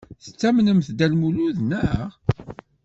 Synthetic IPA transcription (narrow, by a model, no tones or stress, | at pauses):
θə̥t͡sːæmnəmθd̪ælmuluðnəʁ